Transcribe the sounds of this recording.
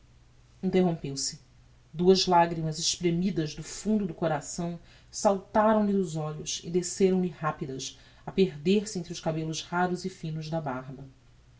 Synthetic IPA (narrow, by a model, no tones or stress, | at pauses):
ĩnt̪eɦõmpewsɪ | d̪uɐzlaɡɾimɐzeʃpɾemid̪ɐzd̪ʊfũnd̪ʊd̪ʊkoɾasɐ̃w̃ | sawt̪aɾɐ̃w̃lɪnʊzɔʎʊsɪ̰d̪eseɾɐ̃w̃lɪhapid̪ɐs | ɐpeɾd̪eɾsɪẽnt̪ɾʊʃkabelʊʃhaɾʊzɪfĩnʊʒd̪ɐbaɾbɐ